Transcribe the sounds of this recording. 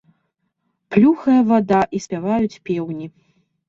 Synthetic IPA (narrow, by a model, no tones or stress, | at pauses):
plʲuxɐjɐvad̪aʔisʲpʲavajut͡sʲpʲɛwnʲi